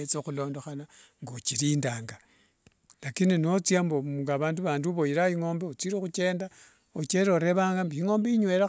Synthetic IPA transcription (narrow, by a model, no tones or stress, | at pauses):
et͡soxulo̞ːndo̞xanaŋɡot͡ʃiɾiːndaːŋɡa | lakininot͡sjamboŋɡaβaːnduβaːnduβo̞jiɾaiŋo̞ːmbeot͡siɾexut͡ʃe̞ːnda | ot͡ʃeɾoɾe̞βaːŋɡambiiŋo̞ːmbeiɲwe̞ɾa